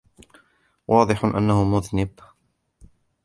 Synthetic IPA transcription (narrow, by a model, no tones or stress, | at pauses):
wʔɑːd̪ˤɨħʊʔa̰nːahʊmʊðnɪb